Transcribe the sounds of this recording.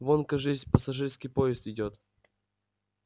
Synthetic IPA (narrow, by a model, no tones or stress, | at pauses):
vonkəʐɨzʲpəsɐʐɨrskʲijpoɪst̪ɪdʲot̪